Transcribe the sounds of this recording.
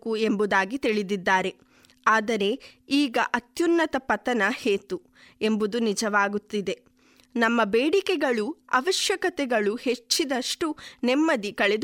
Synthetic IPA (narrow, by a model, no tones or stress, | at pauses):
kue̞mbud̪aːɡit̪iɭid̪id̪ːaːɾe̞ | aːd̪ɐɾe̞iːɡɐʔɐt̪junːɐt̪ɐpɐt̪ɐnɐheːt̪u | embud̪unid͡ʒɐʋaːɡut̪ːid̪e̞ | nɐmːɐbeːɽikɛɡɐɭuɐ̰ʋɐʃjɐkɐt̪ɛɡɐɭuhe̞t͡ʃːid̪ɐʂʈunemːɐd̪ikɐɭɛd̪